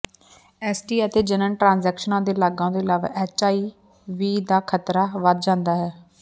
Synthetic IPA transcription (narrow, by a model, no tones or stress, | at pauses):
ɛːsʈiːət̪eːd͡ʒənəɳʈɾãːnzɛːkʃənãːd̪eːlaːɡãːd̪eːlaːʋa̰ːʔɛːt͡ʃaːiː | ʋiːd̪aːkʰət̪ɾaːʋəd̪̚d͡ʒãːnd̪aːɦɛː